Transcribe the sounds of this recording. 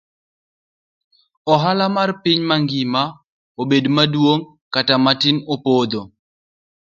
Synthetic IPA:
ɔɦalamarpɪɲmaŋɡɪma | obedmadwoŋ | katamatɪnopod̪o

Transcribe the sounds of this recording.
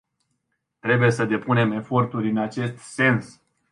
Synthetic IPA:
t̪ɾe̞buje̞səd̪e̞pune̞me̞fo̞rt̪uɾʲɨnat͡ʃe̞st̪se̞ns

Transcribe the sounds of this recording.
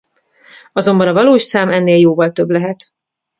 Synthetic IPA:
ɒzo̞mbɒnɒvɒloːʃsaːmɛnːeːljoːvɒlt̪ø̞blɛɦɛt̪

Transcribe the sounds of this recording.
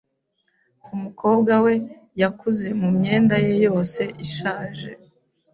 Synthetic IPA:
umukʰo̞ːbɡawe̞ | jakʰuze̞mumɲe̞ːndajejo̞ːse̞ʔiʃaːʒe̞̰

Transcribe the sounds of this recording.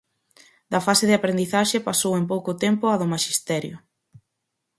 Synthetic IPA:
d̪ɐfaseðɪapɾend̪iθaʃepasowemp̬owkʊt̪empʊaðʊmaʃist̪ɛɾjʊ̰

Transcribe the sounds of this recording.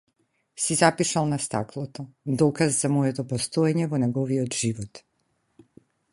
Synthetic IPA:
sizapiʃalˠnast̪a̰klˠɔt̪ɔd̪ɔkazzamɔjɛt̪ɔpɔst̪ɔɛɲɛvɔnɛɡɔviɔt̪ʒivɔt̪

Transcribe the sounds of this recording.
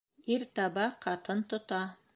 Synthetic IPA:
iɾt̪ɑβɑqʰɑt̪ɤnt̪ŏt̪ɑ

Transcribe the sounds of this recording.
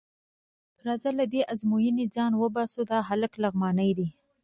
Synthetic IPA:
ɾɑzalad̪eʔazmojənid͡zɑnwəbɑsud̪ɑɦaləklaɣmɑnəjd̪i

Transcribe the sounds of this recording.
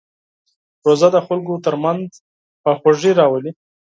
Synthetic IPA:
ɾozad̪əxʊlɡot̪əɾmanz | pəxaʐiɾɑwəli

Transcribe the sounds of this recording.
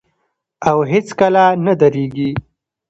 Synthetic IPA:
awɦet͡skalanad̪aɾeɡi

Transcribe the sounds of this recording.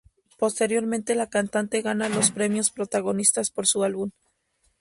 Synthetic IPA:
po̞st̪e̞ɾjo̞ɾmẽ̞nt̪e̞lakant̪ant̪e̞ɣanalo̞spɾe̞mjo̞spɾo̞t̪aɣo̞nist̪aspo̞ɾsualβun

